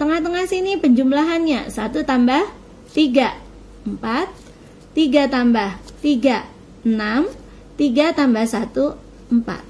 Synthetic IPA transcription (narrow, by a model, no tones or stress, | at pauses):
t̪əŋaht̪əŋahsinipəɲd͡ʒumlaɦanɲa̰sat̪ut̪ambah | t̪iɡa | əmpat̪ː | iɡat̪ambaht̪iɡa | ənam | t̪iɡat̪ambahsat̪u | mpa̰t̪̚